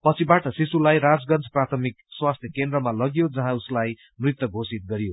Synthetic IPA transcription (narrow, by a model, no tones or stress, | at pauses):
pʌt͡sʰibaʈʌsisulajɾad͡zɡʌnt͡sprat̪ʰʌmikswast̪ʰjʌkend̪rʌmalʌɡjod͡zʌɦãuslaj | mrit̪wʌɡʱosit̪̚ɡʌɾjo